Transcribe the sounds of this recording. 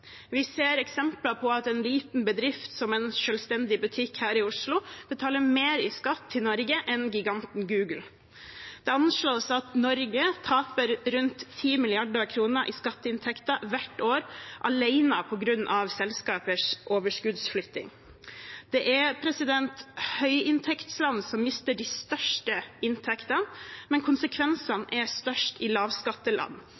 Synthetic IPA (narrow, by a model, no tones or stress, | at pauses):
ʋɪseːɾɛksɛmplɑpʰɔɑt̪ɛnliːt̪n̩bəd̪ɾɪft̪sɔmɛnʃœːlst̪ɛnd̪ɪbʉt̪ʰɪkhæːɾɪʊʂlʊb̥ət̪ʰɑːləmeɾɪskɑt̪ʰːɪlnɔɾɡəʔɛnɡɪɡɑnt̪nɡʉːɡl̩ | d̪̥ɛɑnʂɭoːsɑt̪nɔɾɡət̪ʰɑːpəɾɾʉnt̪ʰːiːmɪlɪɑɖɑkʰɾuːnəɾʔɪskɑt̪ːəɪnt̪ʰɛkt̪ɑʋæʈoːɾʔɑlæɪnəpʰɔɡɾʉnːʔɑʋsɛlskɑːpəʂʔoːʋəʂkʉd̪sflʏt̪ːɪ̰ŋ | d̪̥ɛʔæɾpʰɾɛsɪd̪ɛnt̪hœʏɪnt̪ʰɛkt̪slɑnsɔmmɪst̪əɖist̪œʂʈəɪnt̪ʰɛkt̪ɑnmɛnkʰʊnsəkʰʋɛnsɑnʔɛɾst̪œʂʈɪlɑːʋskɑt̪ːəlʔɑ̰nː